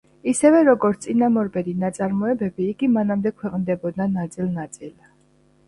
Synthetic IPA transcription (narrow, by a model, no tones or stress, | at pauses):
isɛvɛɾɔɡɔɾt̪sʼinamɔɾbɛd̪inat̪sʼaɾmɔɛbɛbiːɡimanamd̪ɛkʰwɛqʼnd̪ɛbɔd̪nanat̪sʼilˠnat̪sʼil